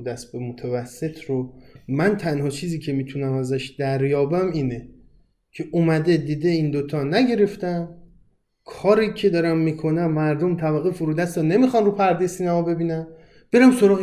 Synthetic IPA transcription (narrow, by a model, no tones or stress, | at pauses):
d̪æs̚bemot̪ʰævæsːe̞t̪ʰɾomænt̪ʰænɦɒːt͡ʃʰiːziːcʰe̞miːt̪ʰunæmæzæʃd̪̥æɾjɒːbæmiːne | cʰe̞ʔomæd̪e̞d̪iːd̪e̞ind̪ot̪ʰɒnæɟe̞ɾe̞ft̪æn | kʰɒːɾiːcʰe̞d̪ɒːɾæmːikʰo̞næmːæɾd̪o̞mt̪ʰæbæɣːefuɾud̪æst̪ʰɒne̞mixɒnɾupʰæɾd̪ejsiːnæmɒbe̞biːnæn | b̥e̞ɾæmso̞ɾɒːɣ